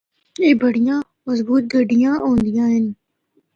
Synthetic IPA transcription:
eːbɐɽijãː | mɐzbuːt̪̚ɡɐɖijãːʔõːnd̪ijãːɦɪn

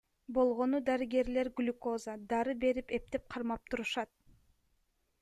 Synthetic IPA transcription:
bo̞lˠʁo̞nud̪aɾiɡe̞ɾle̞ɾɡylʲkozad̪ɑɾɯbe̞ɾipe̞p̚t̪ep̚qʰɑɾmɑp̚t̪ʰuɾuʃɑt̪̚

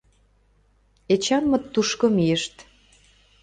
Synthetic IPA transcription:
et͡ɕɑnmɤ̆t̪ːuʃkŏmiəʃt̪

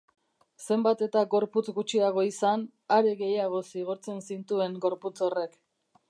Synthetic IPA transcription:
se̞mbat̪e̞t̪aɡo̞ɾput͡sɡut͡ʃiaɣ̞o̞isan | aɾe̞ɣe̞jaɣ̞o̞siɣ̞oɾt͡se̞nsint̪ue̞ŋɡo̞ɾput͡so̞re̞k

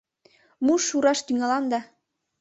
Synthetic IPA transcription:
muʃːuɾɑʃt̪yŋɑlɑnd̪ɑ

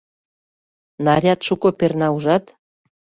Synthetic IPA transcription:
nɑɾʲɑt̪ʃukŏpernɑuʒɑt̪

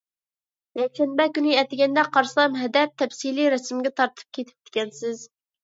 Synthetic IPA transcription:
jɛkʲʃɛnbɛkʲyniɛt̪ɪɡʲɛnd̪ɛqʰɑɾsɑmɦɛd̪ɛp̚t̪ʰɛpsiliɾɛsmɡʲɛt̪ʰɑɾt̪ʰɨ̥p̚kʲʰet̪ʰɪ̥p̚d̪̥ʰɪ̥kʲɛnsɪz

